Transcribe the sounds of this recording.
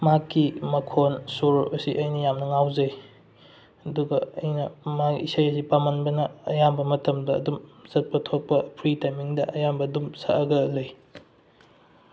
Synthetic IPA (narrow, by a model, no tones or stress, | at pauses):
makːimɐkʰonsuɾɐsiʔɐjnɐjamnɐŋawzɐj | ɐduɡɐɐ̰jnɐmaɡiisajɐsipamɐnbɐnɐːjambɐmɐtʰɐmdɐ̰ːdumz̥ɐt̚pɐtʰːok̚pɐpʰɾitajmiŋdɐʔɐjambɐːdumsa̰ʔɐɡɐlɐj